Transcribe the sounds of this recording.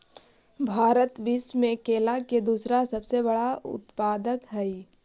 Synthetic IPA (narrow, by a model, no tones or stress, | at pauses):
bʱaːɾət̪bismẽkeːlaked̪uːsɾasɐbsebɐɽaʊ̰t̪paːd̪əkɦɛi